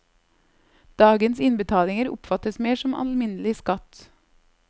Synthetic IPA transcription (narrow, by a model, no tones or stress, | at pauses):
d̪̥ɑːɡənsɪnbət̪ʰɑːlɪŋəɾʊ̰pfɑt̪əsmeːʃɔmɑ̰lmɪnəlɪskɑt̪